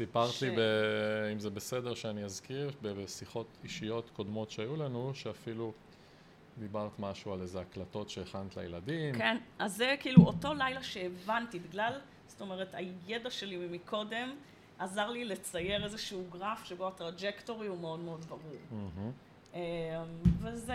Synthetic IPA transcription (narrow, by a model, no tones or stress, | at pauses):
sipaʁt̪libeimzebesedeʁʃeaniazkiʁbesiχo̞tiʃijo̞tko̞dmo̞tʃeajulanuʃeafilu | d̪ibaʁt̪maʃualezeaklato̞tʃeːχant̪la̰jeladimkenazːekiiːluo̞to̞lajlaʃe̞ːvantibiɡlal | z̥to̞me̞ʁetajedaʃe̞limmikʰo̞de̞m | azaʁlile̞t͡saje̞ʁezeʃuuɡʁafʃebo̞atʁad͡ʒekto̞ʁiume̞o̞dmeo̞dbaʁuʁm̩ɦm̩ | emvez